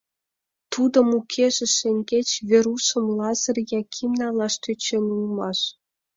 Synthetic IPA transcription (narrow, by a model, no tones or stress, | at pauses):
t̪ud̪ə̆mukʰeʒĕʃeŋɡet͡ɕβeɾusə̆mlɑzə̆rjɑkʰimnɑlɑʃt̪yt͡ɕenulmɑʃ